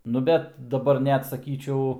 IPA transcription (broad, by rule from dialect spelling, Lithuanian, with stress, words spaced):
nʊ ˈbʲɛt dɐˈbɐr nʲɛɐtsɐˈkʲiːt͡ʃʲɛʊ